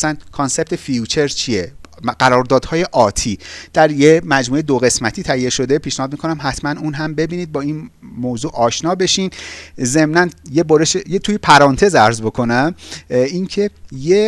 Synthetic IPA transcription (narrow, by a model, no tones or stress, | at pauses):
æsænkʰonse̞b̚t̪ʰe̞fijut͡ʃʰe̞ɾt͡ʃʰieɢæɾɒːɾd̪ɒːd̪̥hɒːje̞ʔɒːt̪ʰiːd̪̥æɾjemæd͡ʒmuːejed̪oɣe̞smæt̪ʰiːt̪ʰæijeʃo̞d̪e̞pʰiːʃnehɒːd̪mikʰonæmɦæt̪ʰmænuːnɦæmbe̞biːniːd̪̚bɒːinmoːzuːʔɒːʃnɒːbe̞ʃiːnze̞mnænjeboɾeʃejet̪ʰujepʰæɾɒːnt̪ʰe̞zæɾzbo̞kʰo̞næminkʰe̞je